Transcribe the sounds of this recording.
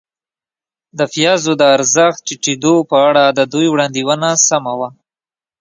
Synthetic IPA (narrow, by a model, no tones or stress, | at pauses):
d̪əfijɑzod̪əaɾzəxt̪̚t͡ʃeʈid̪opəaɽad̪əd̪ujwɽɑnd̪iwənasamawa